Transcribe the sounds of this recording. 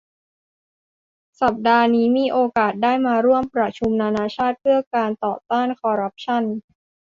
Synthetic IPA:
sa˨˩p̚daː˧niː˦˥miː˧ʔoː˧kaː˨˩t̪̚daː˥˩jmaː˧ɾu˥˩əmpɾa˧t͡ɕʰu˧mnaː˧naː˧t͡ɕʰaː˥˩t̪̚pʰɯ˥˩ɐkaː˧nt̪ɔː˨˩t̪aː˥˩nkʰɔː˧ɾa˦˥p̚t͡ɕʰa˥˩n

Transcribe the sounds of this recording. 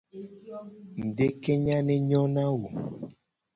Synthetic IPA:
n̩˨de˦ke˦ɲã˦nɛ˦ɲɔ˦nã˦wo˨

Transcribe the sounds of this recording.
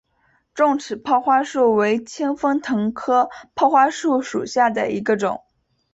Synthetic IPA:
ʈ͡ʂʊ˥˩ŋʈ͡ʂʰɻ̩˨˩pʰɑ˥˧ʊxwa˥ʂu˥˩we˧˥ɪt͡ɕʰɛ˥ŋfɤ˥ŋt̪ʰɤ˧˥ŋkʰɤ˥pʰɑ˥˧ʊxwa˥ʂu˥˩ʂṵ˨˩ɕja˥˩d̪ə̰˩i˧˥ɡə˧ʈ͡ʂʊ̰˨˩˦ŋ

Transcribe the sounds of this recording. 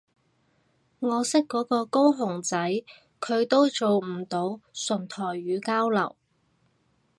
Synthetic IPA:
ŋɔː˨˧sɪ˥kːɔː˨˥kɔː˧ko˥wɦʊ˨˩ŋt͡sɐ˨˥j | kʰɵ˨˧ɥt̪o˥wt͡so˨wm̩˨˩t̪o˨˧wsɵ˨˩nt̪ʰɔː˨˩jːyː˨˧kaː˥wlɐ̰˨˩w

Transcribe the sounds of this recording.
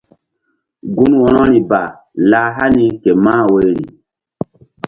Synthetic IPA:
ɡu˦nwɔ˨nɔ˦ɾi˨ba˨ | la˨˦ɦa˦ni˦ke˨ma˦wo˦jɾḭ˨

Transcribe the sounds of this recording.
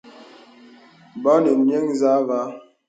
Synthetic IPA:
bɔ˦ni˨mje˦ŋza˦va˦

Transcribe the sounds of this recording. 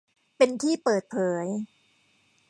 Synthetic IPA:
pe˧nt̪ʰiː˥˩pɤː˨˩t̪̚pʰɤː˩˦j

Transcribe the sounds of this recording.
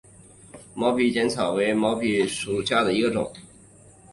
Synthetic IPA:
mɑ˧˥ʊpʰi˧˥˩t͡ɕjɛ˧˥nt͡sʰɑ˨˩ʊwe˧˥ɪmɑ˧˥ʊpʰi˧˥ʂu˨˩ɕja˥˩d̪ə˩i˧˥ɡə˧ʈ͡ʂʊ̰˨˩˦ŋ

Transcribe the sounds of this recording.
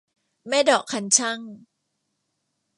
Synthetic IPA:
ma˥˩jdɔː˨˩kʰːa˧nt͡ɕʰa˥˩ŋ

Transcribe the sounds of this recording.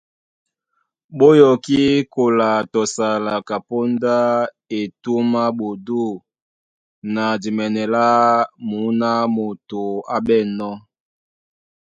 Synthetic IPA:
ɓo˦jɔ˨ki˦ko˨la˨tɔ˨sa˨la˨ka˨po˦nda˦ | e˨tu˦ma˦ɓo˨du˦˨ | na˨di˨mɛ˨nɛ˨la˦mu˨˦na˦mo˨to˨a˦bɛ˦˨nɔ˦

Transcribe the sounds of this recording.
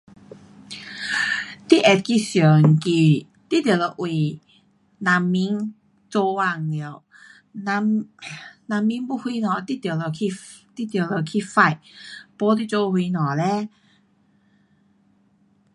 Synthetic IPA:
t̪i˦˧˨ʔɛ˨˩t̪̚ki˧sjə˨˩ŋ˨ki˧˩ | t̪i˥t̪lə˧˩ʔwi˨˩ | nã˨˧mːi˧˥ŋ | t͡so˧wa˧ŋ˨i˧˨˧w | na˧m | na˧˨mːi˧˥ŋpu˥˧˨hwi˧nɔ˨˩t̪i˦˥˨t̪jə˨˩lə˧˩kʰi˧t̪i˥t̪jwlə˨˧˩kʰi˧fa˥˧˨jpɔ˦t̪̬i˧˨t͡so˧hwi˧nɔ˨˩lɛ˧˦

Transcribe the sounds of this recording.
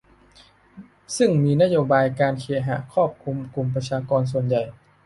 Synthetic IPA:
sɯ˥˩ŋmiː˧na˦˥ʔjoː˧baː˧jkaː˧nkʰi˨˩˦ɦa̰˨˩˦kʰɔː˥˩p̚kʰu˧mku˧mp̬ɾa˧t͡ɕʰaː˧kɔː˧ns̬u˨˩ənja˨˩j

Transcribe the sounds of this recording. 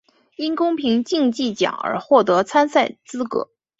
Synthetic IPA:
i˥nkʊ˥ŋpʰi˧˥ŋt͡ɕi˥˧ŋt͡ɕi˥˩t͡ɕjɑ̰˨˩˦ŋə̰˞˧˥xwɔ˥˩t̪ɤ˧˥t͡sʰa˥nsa˥˩ɪt͡sɹ̩˥kɤ̰˧˥

